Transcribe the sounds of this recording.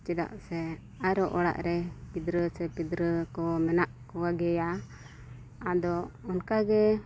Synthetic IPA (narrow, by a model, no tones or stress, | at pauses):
t͡ʃɛd̪a̰ʔsɛ | aɾɔʔɔɽa̰ʔɾɛpid̪ɾəsɛpid̪ɾəkɔmɛnaʔkɔwaɡɛja | ad̪ɔɔnkaɡɛ